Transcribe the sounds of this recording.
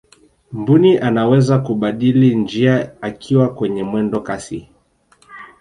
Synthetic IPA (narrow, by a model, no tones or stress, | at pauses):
mbuniʔanawɛzakuɓaɗilind͡ʒiaakʰiwakwɛɲɛmwɛndɔkasḭ